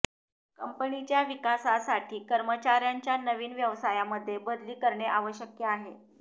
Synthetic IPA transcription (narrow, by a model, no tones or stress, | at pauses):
kəmpənit͡ɕjaʋikasasaʈʰiːkəɾmət͡ɕaɾjaɲt͡ɕjanəʋiːnʋjəʋsajaməd̪ʱːjebʱəd̪liːkəɾɳeʔaʋəɕjəkjəaɦe